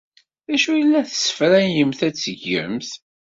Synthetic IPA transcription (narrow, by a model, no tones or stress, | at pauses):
ðæʃujəlːæθə̥sə̥fɾænjəmθæt͡sːəʝːə̰mθ